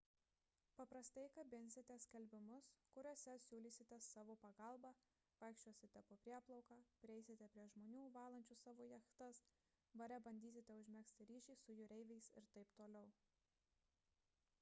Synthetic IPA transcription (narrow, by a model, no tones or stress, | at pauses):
pɐpɾɐst̪ɐɪkɐbʲɪnʲsʲɪt̪ʲɛsʲkʲɛlʲbʲɪmʊskʊɾʲoɔsʲɛsʲuːlʲiːsʲɪt̪ʲɛsɑːʋoːpɐɡɐˑlˠbɑː | ʋɐɪkʃʲt͡ʃʲuɔsʲɪt̪ʲɛpopʲɾʲiɛplˠɐʊkɑːpʲɾʲɪɛɪsʲɪt̪ʲɛpʲɾʲiɛʒmoːnʲuːʋɑːlˠɐnʲt͡ʃʲʊsɑːʋoːjɛxt̪ɐs | bɐɾʲɛbɐnʲd̪ʲiːsʲɪt̪ʲɛʊʒʲmʲɛksʲt̪ʲɪɾʲiːʃʲiːsʊjʊɾʲɛɪʋʲɛɪsɪɾt̪ɐɪpt̪oːlʲɛʊ